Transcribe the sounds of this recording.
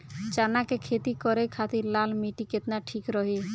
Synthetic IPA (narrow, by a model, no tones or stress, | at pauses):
t͡ʃanakekʰet̪ikɔɾekʰat̪iɾlalmiʈiket̪naʈʰikɾɔɦi